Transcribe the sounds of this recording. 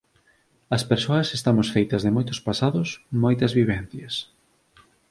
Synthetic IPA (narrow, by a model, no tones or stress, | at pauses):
ɐspeɾsoɐsest̪amosfejt̪ɐzðemojt̪ʊspasaðʊsmojt̪ɐzβiβɛn̟θjɐs